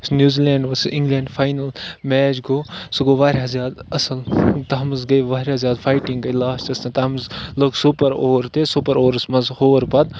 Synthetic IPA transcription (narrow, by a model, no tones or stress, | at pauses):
snjuːzileːɳɖʋɐsʔiŋɡlẽːɳɖfʰaːjnɐlmɛːt͡ʃɡoːsuɡoːʋaːɾʲjaːzjaːd̪ɐsɐlt̪ɐɦɐmzɡɐjʋaːɾʲjaːzʲjaːd̪fʰaːjʈiŋɡɐlaːst͡ʃɐst̪ɐ̃t̪ɐɦɐmzloːɡsupɐɾoːɾt̪eːsupɐɾoːɾsmɐzhoːɾpɐt̪